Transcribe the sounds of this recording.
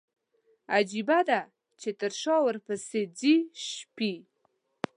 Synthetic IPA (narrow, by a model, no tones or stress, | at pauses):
ad͡ʒibad̪a | t͡ʃet̪əɾʃɑwəɾpəsed͡ziʃpi